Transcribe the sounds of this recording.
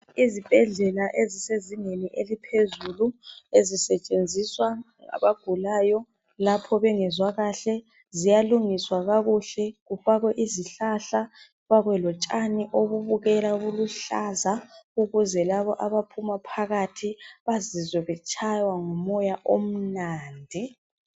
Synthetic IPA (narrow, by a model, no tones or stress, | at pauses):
izib̥ʱɛɮɛlaʔeziseziŋeniʔelipʰezuluezisɛt͡ʃʼend͡zʱiswa | ŋa̰βaɡ̥ʱulaːjɔ | lapʰɔβɛŋɛzwaɣaɬɛ | zijaluŋiswaɣaɣuɬɛɣufaɣwɛʔiziɬaɬa | βaɣwɛlɔt͡ʃʼaniʔoβuβuɣɛlaɣuluɬazauɣuzɛlaβɔʔaβapʰumapʰaɣatʰiβazizwɛβɛt͡ʃʰʼajwaŋɔmɔjaʔom̩naːndʱi